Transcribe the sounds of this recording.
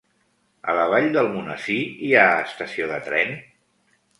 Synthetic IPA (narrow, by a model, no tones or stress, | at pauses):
ə̰ləβ̞aʎd̪əlˠmunəsiiaəst̪əsioðət̪ɾɛn